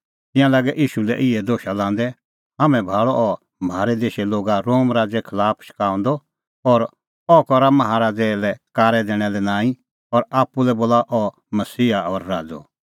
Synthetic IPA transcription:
t̪ɪ̃jãlaːɡɛʔiːʃulɛ̰ʔɪɛd̪oːʃalãːnd̪ɛ | ɦaːmɛ̃bʱaːɭɔʔɔ | maːɾɛd̪eːʃɛloːɡaɾoːmɾaːd͡zɛkʰɐlaːpʰʃɪ̥kãːɔ̃nd̪ɔ | ɔɾ | ɔkɔɾamɐɦaɾaːd͡zɛlɛkaːɾɛd̪eːɽ̃ɛlɛnãːĩ | ɔɾaːpːulɛboːlaʔɔ | mɐsiːaɔːɾːaːd͡zɔ̰

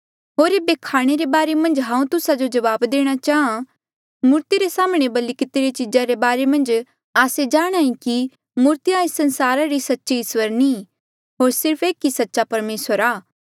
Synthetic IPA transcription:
ɦoːɾebeːkʰaːɽ̃eɾebaːɾemɐ̃nd͡ʒɦãːũt̪ʊsad͡ʒod͡ʒɐʋaːbd̪eːɽ̃at͡ʃaːã | mʊɾt̪iɾesaːmɽ̃ebɐlɪkɪt̪iɾet͡ʃɪd͡ʒaɾebaːɾemɐ̃nd͡ʒ | aːsed͡ʒaːɽ̃aːĩki | mʊɾt̪ijaːɪsːɐnsaːɾaɾisɐtːʃiɪswəɾni | ɦoːɾsɪɾpʰeːkːisɐtːʃapɐɾmeːswəɾaː

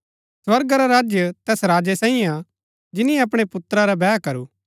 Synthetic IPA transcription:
swɐɾɡaɾaɾaːd͡ʒjət̪ɛːsɾaːd͡ʒesãːĩa | d͡ʒɪnĩjeɐp̬ɽ̃epʊt̪ɾaɾabɛːkɐɾuː

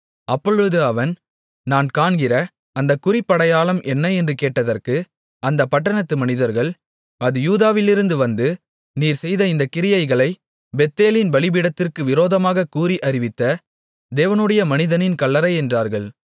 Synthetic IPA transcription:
ʔɐpːɔɻɯðɯɐʋɐn | naːnkaːɳɡɪɾɐ | ɐnd̪ɐkʊɾɪpːɐɽɐjaːlɐmʔɛnːɐɛndrɯkeːʈːɐðɐrkɯ | ʔɐnd̪ɐpːɐʈːɐɳɐt̪ːɯmɐnɪðɐɾɣɐɭ | ɐðɯjuːðaːʋɪlɪɾɯnd̪ɯʋɐnd̪ɯ | niːɾsɛjðɐɪnd̪ɐkɪɾɪjɐɪɣɐɭɐɪ | bɛt̪ːeːlɪnbɐɭɪbɪɽɐt̪ːɪrkɯʋɪɾoːðɐmaːɣɐkuːɾiʔɐɾɪʋɪt̪ːɐ | d̪eːʋɐnɯɽɐjɐmɐnɪðɐnɪnkɐɭːɐɾɐɪɛndraːɾɣɐɭ

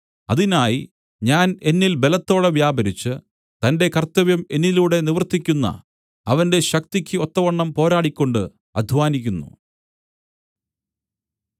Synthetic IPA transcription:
ɐðinaːji | ɲaːne̞nːilbe̞lɐt̪ːo̞ːɽeʋjaːbɐɾit͡ɕːɨ | t̪ɐnde̞kɐrt̪ɐʋjɐme̞nːiluːɽe̞niʋɐrt̪ːikʲːunːɐ̰ | ɐʋɐnde̞ɕɐk̚t̪ikʲːɨo̞t̪ːɐʋɐɳːɐmpo̞ːɾaːɽikʲːo̞ɳɖɨ | ɐ̰d̪ʱʋaːnikʲːunːṵ

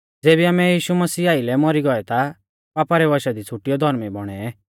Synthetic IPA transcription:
d͡zeːbiaːmɛjiːʃumɐsiːaːilɛmɔɾiɡɔɛt̪a | paːpaɾɛʋaʃad̪it͡sʰuʈijɔd̪ʱɔɾmibɔɽ̃ɛɛ

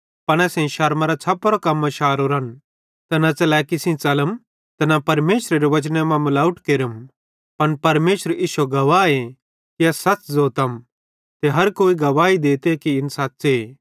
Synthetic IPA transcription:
pɐɽ̃ɛːsẽʃɐɾmaɾat͡sʰɐpːɾokɐmːãʃaːɾoɾɐn | t̪ɛnɐt͡ʃɐlɛkisĩt͡sɐləm | t̪ɛnapɐɾmeːʃɾeɾeʋɐt͡ʃnemãmɐlaːʊʈkeɾəm | pɐnpɐɾmeːʃəɾɪʃoɡɐʋaːe | kiɐsɐt͡szoːt̪ɐm | t̪eɦɐɾkoːiɡɐʋaːid̪eːt̪ekiɪnsaːtːse

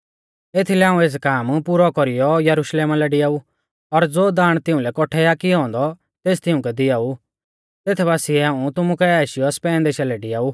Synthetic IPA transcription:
eːt̪ʰilɛaːũeːs̬kaːmpuːɾɔkɔɾijɔjɐɾʊʃleːmalɛɖɪjaːu | ɔɾd͡zoːd̪aːɽ̃t̪ɪʊ̃lɛkɔʈʰɛaːkiɦɔ̃ːnd̪ɔ | t̪eːst̪ɪʊ̃kɛd̪ɪjaːu | t̪eːt̪ʰɛbaːsiɛaːũt̪ʊmukɛɛːʃɪjɔspɛːnd̪eːʃalɛɖɪjaːuː

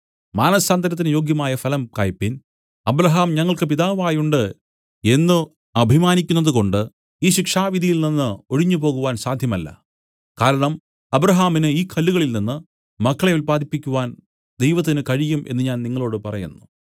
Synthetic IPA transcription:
maːnɐsaːnd̪ɐɾɐt̪̬ːinɨjo̞ːɡjɐmaːjɐfɐlɐmkaːjpːin | ɐbɾɐɦaːmɲɐŋːɐɭkɨpiðaːʋaːjuɳɖɨ | e̞nːu | ɐbʱimaːnikʲːunːɐðuko̞ɳɖɨ | iːɕikʂaːʋid̪ʱijilninːɨo̞ɻiɲːupo̞ːɣuʋaːnsaːd̪ʱjɐmɐlːɐ̰ | kaːɾɐɳɐm | ɐbɾɐɦaːminɨiːkʰɐlːuɣɐɭilninːɨ | mɐkʰːɐɭɐʋilpaːd̪ipːikʲːuʋaːn | d̪e̞jʋɐt̪̬ːinɨkɐɻijumʔe̞̰nːɨɲaːnniŋːɐɭo̞ːɽɨpɐrɐjunːu

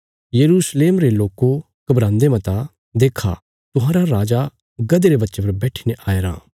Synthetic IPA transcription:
jɐɾuːsleːmɾeloːko | kɐbɾãːnd̪emɐ̃t̪a | d̪eːkʰa̰ | t̪ʊɦãːɾaɾaːd͡ʒa | ɡɐd̪eɾebɐtːʃepɐɾbɛːʈʰineʔaːeɾã̰ː

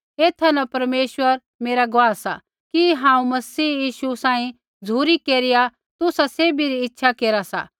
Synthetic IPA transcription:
eːt̪ʰanɐpɐɾmeːʃwəɾ | meːɾaɡʊaːsa̰ | kiɦãːũmɐsiːjiːʃusãːĩ | d͡zʱuːɾikeːɾɪja | t̪ʊsaseːbiɾiɪtːʃʰakeːɾasa̰

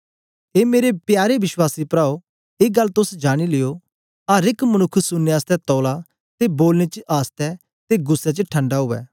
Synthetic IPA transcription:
eːmeːɾepjaːɾeʋɪʃwaːsipɾaːo | eːɡɐlːt̪ʊsd͡ʒaːɽ̃ilɪjo | aːɾɪkmɐñʊkʰːsʊnːeaːst̪ɛt̪ɔːla | t̪eboːlñet͡ʃəʔaːst̪ɛ | t̪eɡʊsːɛt͡ʃəʈʰɐ̃ɳɖaɦʊʋɛ̰ː

